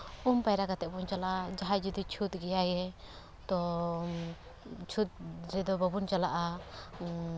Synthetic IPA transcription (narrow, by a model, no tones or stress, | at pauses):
umpajɾakat̪ɛʔbɔnt͡ʃalaʔad͡ʒaɦad͡ʒid̪it͡ʃʰut̪̚ɡɛjajɛ | t̪ɔ | t͡ʃʰut̪̚ɾɛd̪ɔbɔbunt͡ʃalaʔa